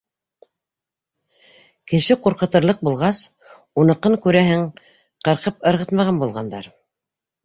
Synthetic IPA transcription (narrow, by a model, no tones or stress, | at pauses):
kɘ̆ʃɘquɾqɤ̆t̪ɤ̆ɾlˠɤq̚bulˠʁɑs | unɤ̆qːɤŋkʉɾæɦɘŋ | qɤ̆ɾqɤpɤ̆ɾʁɤ̆t̪mɑʁɑnbulˠʁɑnd̪ɑ̰ɾ